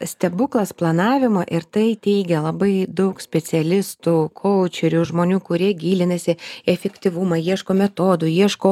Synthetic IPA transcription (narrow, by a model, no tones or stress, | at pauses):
sʲt̪ʲɛbʊklˠɐsplˠɐnɑːʋʲɪmɐʔɪɾt̪ɐɪt̪ʲɛɪɡʲɛlˠɐbɐɪd̪ɐʊksʲpʲɛsʲɛlʲɪst̪uːkʰoʊt͡ʃʲɛɾʲuːʒmoːnʲuːkʊɾʲiɛɡʲiːlʲɪnɐsʲɪɛfʲɛkt̪ʲiʋʊmɐjiɛʃkoːmʲɛt̪oːd̪ʊjiɛʃkoː